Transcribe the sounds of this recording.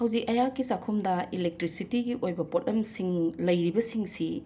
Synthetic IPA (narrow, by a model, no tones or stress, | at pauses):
hɐwzikɐjakːisakʰumdɐilek̚tɾisitiɡiʔojbɐpot̚ɐmsiŋlɐjɾibɐsiŋsi